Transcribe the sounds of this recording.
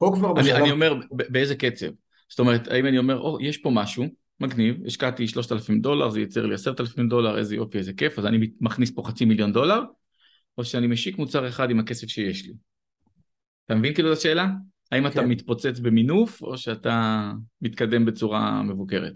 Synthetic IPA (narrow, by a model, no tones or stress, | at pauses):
okvaʁanianiome̞ʁbebeezeke̞t͡se̞̰v | z̥o̥t̪o̞me̞ʁet̪ʰa̰imanio̞me̞ʁʔo̞jeʃpo̞maʃu | maɡnivḭʃkat̪iʃlo̞ʃt̪alafimd̪o̞la̰ʁzejit͡seʁliasetalafimd̪o̞laʁḛzejo̞̰fiezeke̞fazanimmaχnispo̞χat͡similjo̞nd̪o̞laʁ | o̞ʃeanimeʃikmut͡saʁe̞χadimake̞se̞fʃeje̞ʃli | at̪amevinkiːlutaʃe̞ːla | haimatamit̪po̞t͡set͡sbe̞minufo̞̰ʃeat̪amit̪kade̞mbe̞t͡suʁa̰me̞vuke̞ʁḛt̪